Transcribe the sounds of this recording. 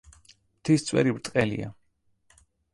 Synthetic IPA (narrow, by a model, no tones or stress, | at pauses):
mt̪ʰist̪sʼwɛ̰ɾibɾt̪ʼqʼɛlḭa